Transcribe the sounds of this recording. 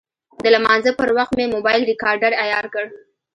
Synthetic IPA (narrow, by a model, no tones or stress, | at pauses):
d̪əlamɑnzəpəɾwaxt̪memobɑjlɾɪkɑɾɖaɽajɑɾkəɽ